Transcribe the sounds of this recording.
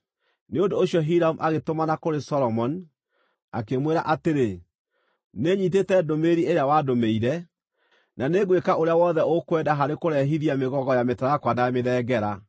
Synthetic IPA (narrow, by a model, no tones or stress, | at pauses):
neondoːɕjɔɦiɾaumʔaɣetomanakoɾesɔlɔmɔn | a̰kemweɾaʔateɾe | neɲit̬etɛdomeɾieɾeawadomeiɾɛ | naneɣwekaʔoɾeawɔðɛokwɛdaɦaɾekoɾɛɦiðiameɣɔɣɔjametaɾakwanameðɛːɡɛɾa